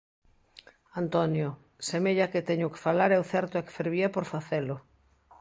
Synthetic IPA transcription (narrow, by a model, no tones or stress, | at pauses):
ant̪ɔnjʊ | semeʎaket̪ɛɲʊke̥falaɾɛwθɛɾt̪oɛke̥feɾβiapoɾfaθelʊ